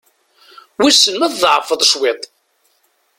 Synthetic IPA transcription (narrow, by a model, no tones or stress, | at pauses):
wisənmæððˤʕfəðˤʃwet̪ˤ